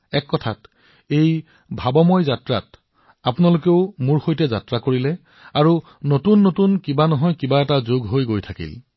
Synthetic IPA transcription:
ɛkːɔtʰat | ej | bʱabɔmɔjzatɹa̰t | apunalokeʊmuɹxojtɛza̰tɹakoɹilɛ | aɹu | notunːotunkibanɔɦɔjkibaɛtazoɡɦojɡojtʰakḭl

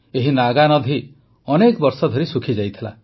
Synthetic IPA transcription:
eɦinaɡanɔd̪ʱi | ɔnekbɔɾsɔd̪ʱɔɾisukʰid͡ʒajt̪ʰila̰

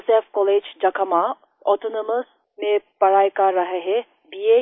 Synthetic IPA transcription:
sefkɔled͡ʒd͡ʒɐkʰɐma | ɔt̪onoməs | mẽpɐɾaːjkaɾɐɦɐɦe | bije

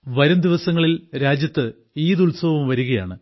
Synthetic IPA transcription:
ʋɐɾɐmd̪iʋɐsɐŋːɐɭilɾaːd͡ʑjɐt̪ːɨ | iːd̪ulsɐʋumʋɐɾuɣɐjaːɳɨ

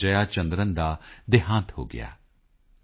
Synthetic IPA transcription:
d͡ʒəjaːt͡ʃə̃nd̪ɾənd̪aːd̪ɪɦãːnt̪ɦo̰ːɡɪ̰ja̰ː

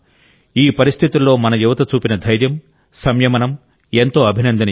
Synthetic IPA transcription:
iːpɐɾist̪ʰit̪ilːo̞ːmɐnɐjuʋɐt̪ɐt͡ʃuːpinɐd̪ʱɐjɾjɐm | sɐmjɐmɐnɐm | e̞nt̪o̞ːɐbʱinɐnd̪ɐnɐ

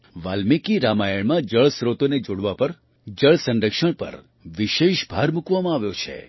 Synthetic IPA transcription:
ʋalmikiɾamajəɭmãd͡ʒəɭsɾot̪oned͡ʒoɽʋapəɾ | d͡ʒəɭsə̃nɖəkʃəɳpə̰ɾ | ʋiʃeʃbʱaɾmukʋamãaʋjot͡ʃʰḛ

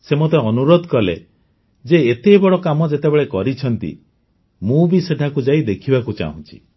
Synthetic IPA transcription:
semot̪eɔnuɾod̪ʱkɔlḛ | d͡ʒeːt̪ebɔɽɔkamɔd͡ʒet̪ebeɭekɔɾit͡ʃʰɔnt̪ḭ | mũbiseʈʰakud͡ʒaid̪ekʰibakut͡ʃa̰ɦṵ̃nt͡ʃʰi̥̰

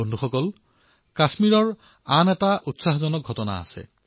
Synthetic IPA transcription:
ondʱuxɔkɔl | kasmiɹɔɹ | anɛtaʔutsaɦzɔnɔk̚ɡʱɔtɔna̰ːsɛ̰

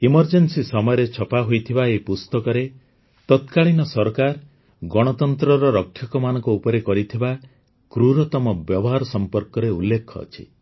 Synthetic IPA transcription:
imɔɾd͡ʒensisɔmɔjɔɾet͡ʃʰɔpaɦojt̪ʰibaepust̪ɔkɔɾe | t̪ɔt̪kaɭinɔsɔɾkaɾ | ɡɔɽ̃ɔt̪ɔnt̪ɾɔɾɔɾɔkʰːjɔkɔmanɔŋkuupɔɾekɔɾit̪ʰiba | kɾuɾɔt̪ɔmɔbjɔbɔɦaɾɔsɔmpɔɾkɔɾeulːekʰːɔɔ̰t͡ʃʰḭ

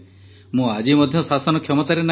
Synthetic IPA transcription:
mũad͡ʒimɔd̪ʱjɔsasɔnɔkʰjɔmɔt̪aɾena

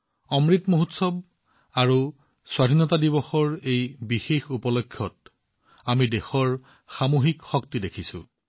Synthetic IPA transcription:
ɔmɹitmoɦutsɔb̚ | aɹu | swadʱinɔtadibɔxɔɹejbixexupɔlɔkʰːjɔt̚ | amidexɔɹ | xamoɦikxɔk̚tidekʰisʊ̰̃

